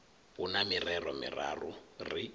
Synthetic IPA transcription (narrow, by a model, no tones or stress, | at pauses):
unamirɛrɔmḭra̰ruri